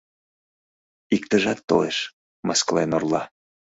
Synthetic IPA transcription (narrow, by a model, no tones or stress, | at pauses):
ikt̪əʒɑt̪ːo̰leʃ | mɑsklenorlˠɑ